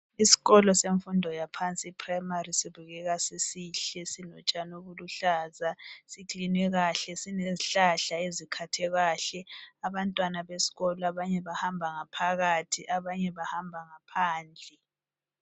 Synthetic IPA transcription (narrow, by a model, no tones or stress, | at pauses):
isi̥ɣɔlɔseɱfundʱɔjapʰant͡sʼiːpʰrajmarisiβuɣɛɣasisiːɬɛsinɔt͡ʃʼanoβuluɬaːzasikinwɛɣaɬɛsineziɬaɬaezikʰatʰɛɣaɬɛaβantʼwanaβesi̥ɣɔlaβaɲɛβahambʱaŋapʰaɣatʰiʔaβaɲɛβahambʱaŋapʰaːnd͡ɮʱɛ